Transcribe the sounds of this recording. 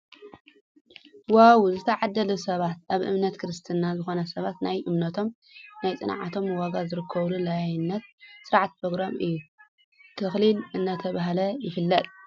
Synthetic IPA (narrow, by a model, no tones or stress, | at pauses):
wawzɨt̪ʰɐʕad̪ːɐlusɐβat̪aβʔɨ̰mnɐt̪kʰɨɾɨst̪ʰɨnazɨxo̞nɐsɐβat̪najʔɨmnɐt̪ʰo̞m | najt͡sʼɨnʕa̰t̪ʰo̞mwaɡazɨɾɨkʰːɐβlulajajnːɐt̪̚sɨɾʕat̪̚pʰɾoɡɾamɨjːu | t̪ʰɨxlilɨnːat̪ʰɐβaɦlɐjɪfɨlːɐt̪ʼ